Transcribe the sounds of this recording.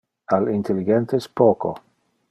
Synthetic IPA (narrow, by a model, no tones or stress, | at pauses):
alint̪ʰeliɡent̪espoːko̰